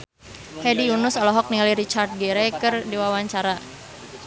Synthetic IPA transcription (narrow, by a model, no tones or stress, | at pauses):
hɛdiunʊsɔlɔɦɔk̚niŋaliɾit͡ʃart̪̚ɡɛɾɛkɨrdiwawaɲt͡ʃaɾa